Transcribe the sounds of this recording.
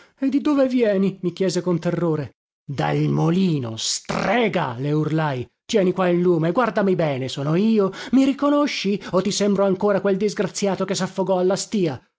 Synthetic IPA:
ed̪ːid̪oːvevjɛːnimikjɛːzekont̪erːoːɾe | d̪a̰lmoliːno̰st̪rɛːɡa̰leurlajt̪jɛːnikwailːuːmeɡward̪amibɛːnesɔːnoiːomiɾikonoʃːiot̪ːisɛmbɾoaŋkoːɾakweld̪izɡɾat̪sːjaːt̪okesafːoɡɔalːast̪iːa

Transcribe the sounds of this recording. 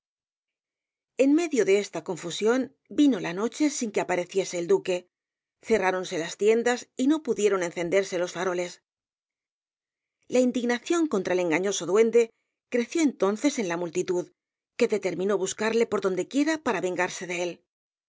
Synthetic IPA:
e̞nme̞ðjoðe̞est̪ako̞ɱfusjo̞n | bino̞lano̞t͡ʃe̞siŋke̞apaɾe̞θje̞se̞ːld̪uke̞ | θe̞raɾo̞nse̞last̪je̞nd̪asino̞puðjeɾo̞ne̞nθe̞nd̪e̞ɾse̞lo̞sfaɾo̞le̞s | laind̪iɣnaθjo̞ŋkont̪ɾaele̞ŋɡaɲo̞so̞ðwe̞nd̪e̞ | kɾe̞θjo̞ent̪o̞nθe̞se̞nlamult̪it̪uð | ke̞ðe̞t̪e̞ɾmĩno̞βuskaɾle̞po̞ɾðo̞nd̪e̞kje̞ɾapaɾaβe̞ŋɡaɾse̞ðe̞e̞l

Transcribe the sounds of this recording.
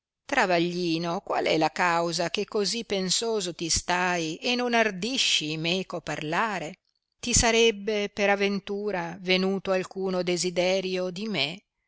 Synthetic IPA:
t̪ɾavaʎːiːnokwa̰lɛlakawzakekːozipːensoːzot̪ist̪ajenːonard̪iʃːimekopːarlaːɾe | t̪isaɾɛbːepeɾavent̪uːɾavenuːt̪oalkuːnod̪ezid̪ɛːɾjod̪ime

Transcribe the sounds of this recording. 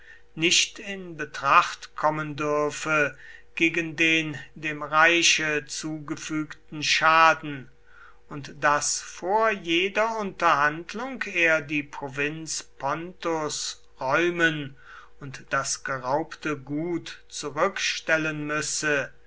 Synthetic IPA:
nɪʃtɪnbətʁ̥aχtkʰɔməndʏɐfəɡ̥eːɡəndeːndeːmʁaɪʃət͡suːɡəfyːktn̩ʃaːdn̩ | ʊntd̥asfoːɐjeːdɐʊntɐɦandlʊŋkeːɐdiːpʁ̥ovɪnspʰɔntos | ʁɔʏmən | ʊntd̥asɡ̥əʁaʊptəɡuːtt͡suʁʏkʃtɛlənmʏsə

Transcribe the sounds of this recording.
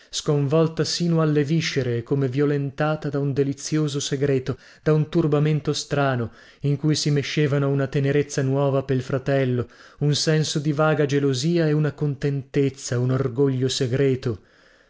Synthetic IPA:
skoɱvɔlt̪asiːnoalːeviʃeɾekomevjolent̪aːt̪ad̪aund̪elit̪sːjoːzoseɡɾɛːt̪o | d̪̥aunt̪urbament̪ost̪ɾaːno | iŋkujsimeʃːeːvanounat̪eneɾet̪sːanwɔːvapeilfɾat̪ɛlːounsɛnsod̪ivaːɡad͡ʒeloziːaeunakont̪ent̪et̪sːaunorɡoʎːoseɡɾɛːt̪o

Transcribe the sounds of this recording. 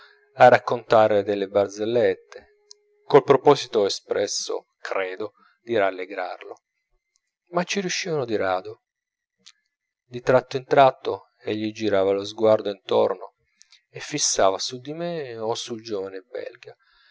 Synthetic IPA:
arakːont̪aːɾed̪elːebard̪zelːet̪ːe | kolpɾopɔːsit̪oespɾɛsːo̰ | kɾɛːd̪o | d̪̥iɾalːeɡɾa̰rlo̰ | mat͡ʃːiɾjuʃːiːvanod̪iɾaːd̪o | d̪it̪ɾat̪ːoint̪ɾat̪ːo | eʎːid͡ʒiɾaːvalozɡward̪oint̪ɔ̰rno̰ | efːisːaːvasud̪imeosuld͡ʒoːvanebɛ̰lɡa

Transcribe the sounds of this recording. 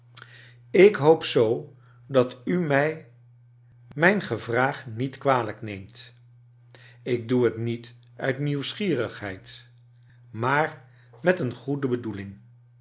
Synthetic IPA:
ɪkɦowpsow | dɑtymɛj | mɛjnχəvraːχnitkʋaːləknejmt | ɪɡ̚duɦətnit | œ̰ɥtniwsχiːrəχɦɛ̰jt | maːɹ | mɛtənχudəbədulɪŋ

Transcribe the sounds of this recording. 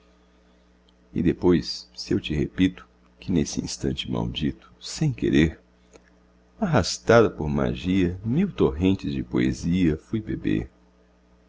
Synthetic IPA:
ɪ̰d̪epojsːewt͡ʃɪhepit̪ʊ̥ | kɪnesɪḭ̃st̪ɐ̰̃nt͡ʃɪma̰wd͡ʒit̪ʊ̥sẽj̃kḛɾeɾ | aɦast̪ad̪ɐpoɾma̰ʒiɐmiwt̪oɦẽnt͡ʃɪzd͡ʒɪpoeziɐfujbebḛɾ

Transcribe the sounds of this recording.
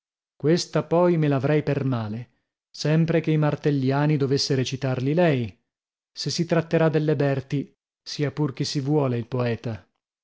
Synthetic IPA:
kwest̪apɔjmelavɾɛjpermaːle | sɛmpɾekeimart̪elːjaːnid̪ovesːeɾet͡ʃit̪arlilɛj | sesːit̪ɾat̪ːeɾad̪elːebɛrt̪i | siːapurk̟isːivwɔːleilpoɛːt̪a

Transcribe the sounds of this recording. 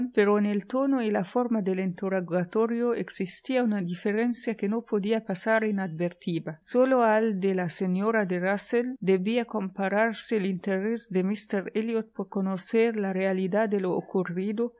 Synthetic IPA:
npeɾoenelt̪onoilafoɾmad̪elent̪uɾaɡat̪oɾjoeksist̪iaunad̪ifeɾensjakenopod̪iapasaɾinad̪beɾt̪ibasoloald̪elasenoɾad̪eraseld̪ebiakompaɾaɾselint̪eɾesd̪emist̪eɾeljot̪̚poɾkonoseɾlarealid̪ad̪eloo̰kurid̪o

